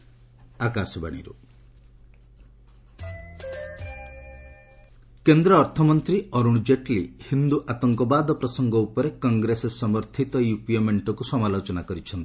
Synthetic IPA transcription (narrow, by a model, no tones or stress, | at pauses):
akasɔba̰ɽ̃ḭɾṵ | kend̪ɾɔːɾt̪ʰɔmɔnt̪ɾiɔɾuɽ̃d͡ʒeʈlihind̪uʔat̪ɔŋkɔbad̪ɔpɾɔsɔŋɡɔupɔɾekɔŋɡɾesesɔmɔɾt̪ʰit̪ɔjupiemeɳʈɔkusɔmalot͡ʃɔnakɔɾit͡ʃʰɔnt̪i̥